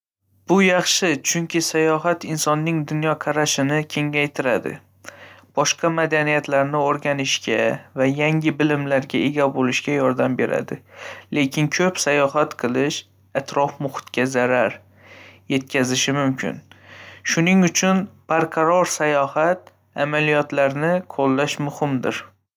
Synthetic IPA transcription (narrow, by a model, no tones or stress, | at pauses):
b̥ʊjɑχʃɪt͡ʃʰʊŋkʲɪsajɒɦat̪ɪnsɒnːɪŋd̪ʊnjɒqʰɑɾaʃɪnɪkʲʰe̞ŋajt̪ʰɪɾad̪ɪ̰ | b̥ɒʃqɑmad̪anijat̪laɾnɪoɾɡʲanɪʃɡʲavajaŋʲɪbɪlɪmlaɾɡʲae̞ɡʲabolɪʃɡʲajɒɾd̪ambe̞ɾa̰d̪ɪle̞kʲɪnkʲʰɵpsajɒɦat̪qʰɨlˠɪʃ | at̪ɾɒfmʊχʊ̥t̪kʲazaɾaɾ | je̞t̪̚kʲʰazɪʃɪmʊmkʲʰɪ̰nʃʊnɪŋʊt͡ʃʰʊnpaɾqʰɑɾɒɾsajɒhat̪̚ | a̰malijɒt̪laɾnɪqʰolˠːaʃmʊhɪmd̪ɪ̰ɾ